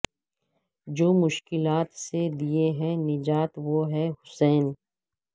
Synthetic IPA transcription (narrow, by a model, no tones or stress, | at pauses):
d͡ʒoːmʊʃkɪlaːt̪sed̪ieɦɛ̃nɪd͡ʒaːt̪ʋoːɦɛɦʊsɛːn